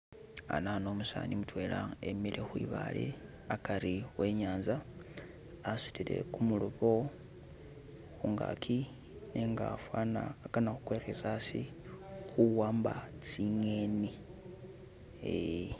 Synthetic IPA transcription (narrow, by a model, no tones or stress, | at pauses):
a̰nano̞ːmusa̰ːnimutwe̞ːlaemilexwḭːβa̰lḛ | akaɾiwe̞ɲaːnza | asu̥tile̞̰kumuluβo̞ | xuŋɡa̰kʰi | neŋɡafwaːnaːkanaxu̥kweːɾezasi | xuwaːmbat͡siŋeni | e